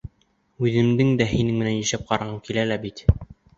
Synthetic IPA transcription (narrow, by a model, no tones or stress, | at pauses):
ʉðɘ̆md̪ɘŋd̪æɦinɘŋmɘ̆nænjæ̆ʃæp̚qɑɾɑʁɤɴkilælæbit̪